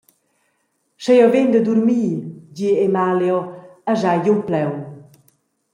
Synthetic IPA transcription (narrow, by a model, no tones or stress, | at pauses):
ʃɛjɔvend̪əd̪uɾmiːɟiemaljɔaʒajjumplɛw